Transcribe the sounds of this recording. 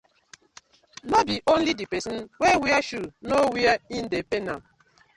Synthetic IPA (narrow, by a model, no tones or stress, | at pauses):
nɔbiʔõn̩lidipesn̩wewiaʃunowiain̩depena